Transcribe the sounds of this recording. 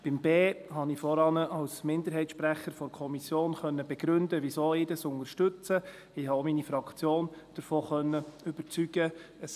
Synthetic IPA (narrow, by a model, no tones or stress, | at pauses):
b̥ɪmbeːɦɑnɪfɔɾɑnəʔɑwsmɪnd̪əɾɦɛɪtʃpɾæχəɾfɔɾkʰɔmisjoːnχœnːəbɛɡ̥ɾʉndəʋisoːɪːdɑsʊnəɾʃtɵt͡sə | ɪhɑominifɾɑkt͡sjoːnd̥əɾfoːχœnːəʏb̥əɾt͡syɡ̥ə | əs